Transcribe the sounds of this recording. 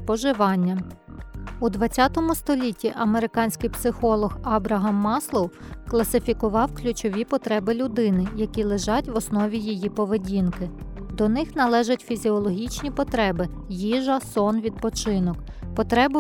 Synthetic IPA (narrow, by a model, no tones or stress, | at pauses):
pɔʒɪʋɑnʲːɐ | ud̪ʋɐt͡sʲːat̪ɔmʊst̪ɔlʲitʲːiʔɐmeɾɪkɑnʲsʲkɪjpsɪxɔlˠɔxɐbɾɐɦɑmːɑslˠɔw | klˠɐsɪfʲikʊʋɑwklʲʊt͡ʃɔʋʲipɔt̪ɾɛbɪlʲʊd̪ɪnɪjɐkʲilˠɪʒɑtʲʋɔsnɔʋʲijijipɔʋedʲinkɪd̪ɔnɪxnɐlˠɛʒɐtʲfʲizʲiɔlˠɔɦʲit͡ʃnʲipɔt̪ɾɛbɪ | jiʒɐsɔnʋʲid̪̚pɔt͡ʃɪnɔkpɔt̪ɾɛbʊ